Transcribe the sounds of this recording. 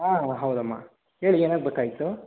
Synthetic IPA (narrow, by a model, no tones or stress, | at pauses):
aːɦɐwd̪ɐmːa̰ː | he̞ːɭieːnaːɡ̚bekaːjit̪u